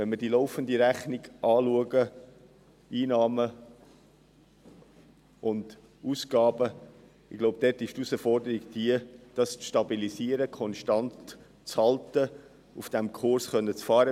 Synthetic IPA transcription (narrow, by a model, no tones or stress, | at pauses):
vɛnməɾdiloʊfəndiɾæχniɡʔɑːluəɡə | ʔiːnɑːmə | ʔʊnd̥ | uːsɡ̥ɑːbə | ɪɡ̥loʊb̚d̥̪ɛtɪʃtusəfɔrdəɾiɡd̥iəd̥ɑst͡sʃtɑbilisiəɾəkʰɔnʃtɑnt | t͡shɑltə | ufd̥ɛmkʰʊrsχœnːət͡sfɑːɾə